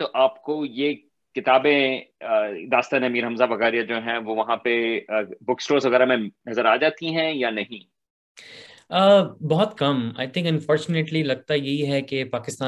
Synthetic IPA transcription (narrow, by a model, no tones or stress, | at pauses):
t̪oːʔaːpkoje | kɪt̪aːbẽ | d̪aːst̪aːneɐmiːɾɦɐ̃mzabʱɐɣaːɾijad͡ʒoːɦɛ̃ʋoʋɐɦãpebʊksʈoːɾsʋɐɣɛːɾamẽnɐzəɾaːd͡ʒaːt̪iɦɛ̃janɐɦĩ | əːbɔɦɔt̪kɐma̰ːɪt̪ʰɪ̃ŋkɐ̃nfɔːɾt͡ʃʊneʈlilɐɡ̚t̪ajɐɦiɦɛkepaːkɪst̪aː